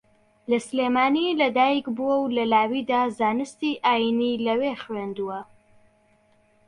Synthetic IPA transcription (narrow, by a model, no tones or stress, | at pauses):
lɐsleːmaːnilɐd̪aːjikbuwɐwlɐlaːwid̪aːzaːnɨst̪iʔaːjinilɐweχwend̪uwɐ